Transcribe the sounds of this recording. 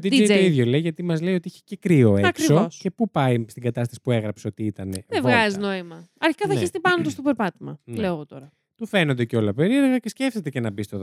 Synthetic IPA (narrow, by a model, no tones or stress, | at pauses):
d̪id̪ejt̪oiðʝo̞le̞iʝɐt̪imɐzleiot̪iiçe̥cekɾio̞eɐkɾisoosce̞pupɐist̪iɡɐt̪ɐst̪ɐsi̥pueɣɾɐpseo̞t̪iit̪ɐne̞ðevɣɐzizno̞imɐɐɾçi̥kɐθɐnist̪ipɐnot̪ost̪opeɾpɐt̪imɐ̰leoɣot̪o̞ɾɐ | t̪ufe̞nond̪e̞ceo̞lɐpe̞ɾie̞ɾɣɐcescefθet̪ecenɐbist̪oðo